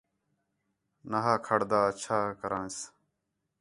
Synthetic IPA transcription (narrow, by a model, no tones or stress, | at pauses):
naɦaːkʰəɽd̪aːt͡ʃʰaːkəɾãːs